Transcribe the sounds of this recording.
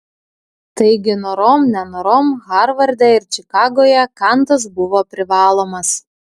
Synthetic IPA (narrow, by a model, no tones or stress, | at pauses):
t̪ɐɪɡʲɪnoɾoːmnʲɛnoɾoːmɣɑɾʋɐɾʲd̪ʲɛɪɾt͡ʃʲɪkɑːɡoːjɛkɑnt̪ɐs̬bʊʋoːpʲɾʲɪʋɑːlˠoːmɐs